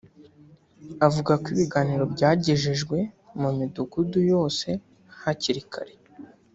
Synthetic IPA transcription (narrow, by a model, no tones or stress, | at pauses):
avuɡakwiːβiɡaːniɾo̞bɟaːɟeʒeʒɡwe̞ | mumiduɡudujo̞ːse̞ | haciɾikʰa̰ɾe